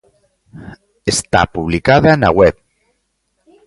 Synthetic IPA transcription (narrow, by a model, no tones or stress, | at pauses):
est̪a̰puβlikaðana̰ɣwɛp